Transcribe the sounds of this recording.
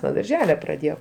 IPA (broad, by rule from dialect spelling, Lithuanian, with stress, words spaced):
nuɔ dɐrʲˈʒʲæːlʲɛ prɐˈdʲeːjɛʊ